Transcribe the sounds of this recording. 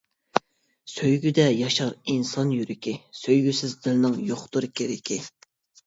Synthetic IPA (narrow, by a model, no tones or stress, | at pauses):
søjɡʲyd̪ɛjɑʃɑɾinsɑnjyɾɪkʲɪsøjɡʲysɪzd̪ɪlnɪŋjoχt̪uɾɨkʲʰeɾɪkʲʰi